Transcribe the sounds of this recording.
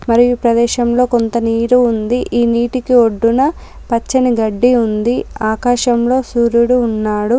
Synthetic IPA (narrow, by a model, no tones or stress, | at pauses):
mɐɾijupɾɐd̪ɛːʃɐmlo̞ːko̞nt̪ɐniːɾuːnd̪iʔiːniːʈikio̞ɖːunɐ | pɐt͡ʃːɐniɡɐɖːiund̪iaːkaːʃɐmlo̞ːsuːɾuɽuːnːaːɽu